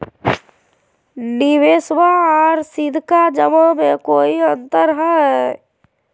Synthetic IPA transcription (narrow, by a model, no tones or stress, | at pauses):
nɪʋeːswaɔːɾsɪd̪ʱkad͡ʒəməmẽkoːiə̃nt̪əɾɦɛ